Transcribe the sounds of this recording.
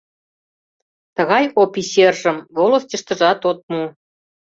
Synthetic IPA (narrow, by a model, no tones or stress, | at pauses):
t̪ə̆ɣɑjopisʲerʒə̆mvolost̪ʲĭʃt̪ə̆ʒɑt̪ot̪̚mu